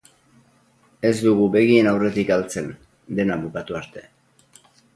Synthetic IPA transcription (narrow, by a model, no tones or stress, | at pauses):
e̞zd̪uɣ̞ube̞ɣ̞ienawre̞t̪ikalt͡se̞n | d̪e̞naβukat̪uaɾt̪e̞